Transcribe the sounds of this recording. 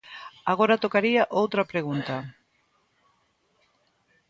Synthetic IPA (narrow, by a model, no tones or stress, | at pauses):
aɣoɾat̪okaɾiaʔowt̪ɾɐpɾeɣ̞unt̪ɐ